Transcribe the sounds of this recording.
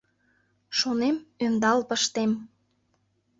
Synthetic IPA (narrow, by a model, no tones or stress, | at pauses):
ʃonemønd̪ɑlpəʃt̪em